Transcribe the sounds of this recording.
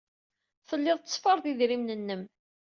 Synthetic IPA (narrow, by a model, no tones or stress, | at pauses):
θəlːɪðˤt̪ːə̥sˤfəɾˤðiðɾimnənːəm